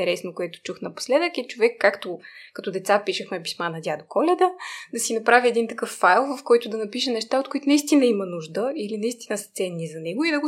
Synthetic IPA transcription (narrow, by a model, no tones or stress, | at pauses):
ɛɾɛsnokoɛt̪ʊ̥t͡ʃuxnɐpo̥slɛd̪əkɛt͡ʃovɛkːakt̪okɐt̪od̪ɛt̪sapiʃəxmɛpi̥smanɐd̪ʲad̪okʰɔlʲɛd̪əd̪ɐsinɐpɾaviɛd̪int̪ɐkɤfːajlˠvɐfkɔjt̪ʊd̪ɐnɐpiʃənɛʃt̪aot̪̚kʊit̪ʊnɐist̪inɐimɐnuʒd̪əilinɐist̪inəsə̥t̪sɛnːizɐnɛɡʊid̪ɐɡo